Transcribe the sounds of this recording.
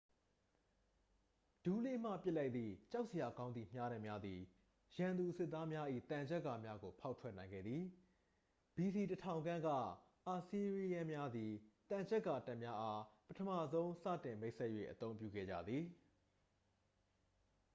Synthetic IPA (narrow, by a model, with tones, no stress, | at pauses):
d̥u˨lḛ˦˨m̥a̰˦˨pjɪ˦ʔla˦ɪt̪t̪ðḭ˦˨t͡ɕa˦ʊʔsə˨ja˨ɡã˦ʊ̃nd̪ði˨m̥ja˦ɾã˦˨mja˦d̪ði˨ | jã˨nd̪u˨ʔsɪ˦ʔt̪ːa˦mja˦ʔḭ˦˨t̪ã˨ɲd͡ʑɛ˦ʔkːa˨mja˦ɡo˨pʰa˦ʊtʰwɛ˦ʔnã˨ɪ̃ŋɡɛ̰˦˨d̪ði˨ | b̥i˨si˨tətʰã˨ʊ̃ŋɡã˦ɡä̰˦˨ | ʔa˨si˨ɹi˨jɛ̃˦mja˦d̪i˨t̪ã˨ɲd͡ʑɛ˦ʔkːa˨ta˦ʔmja˦ʔa˦pətʰə˦mä̰˦˨zõ˦ʊ̃sä̰˦˨tɪ̃˨me˦ɪʔsʰɛ˦ʔjwḛ˦˨ʔət̪õ˦ʊ̃mpjṵ˦˨ɡɛ̰˦˨d͡ʑä̰˦˨d̪ði˨